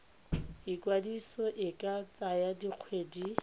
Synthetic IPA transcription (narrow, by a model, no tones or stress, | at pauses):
ikwadisɔʔɪkʼat͡sajadiq͡χʰweːdi